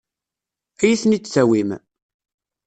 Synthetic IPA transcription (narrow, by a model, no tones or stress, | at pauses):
æjiθnit͡sːt͡sːæwim